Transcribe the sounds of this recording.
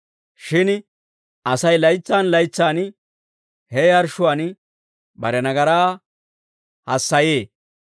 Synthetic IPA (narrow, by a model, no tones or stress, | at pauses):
ʃɪn | ʔɐsɐjlɐjt͡sːaːnlɐjt͡sːaːn | hɛɐɾʃʊwaːn | bɐɾɛnɐɡɐɾaː | hɐsːɐjeː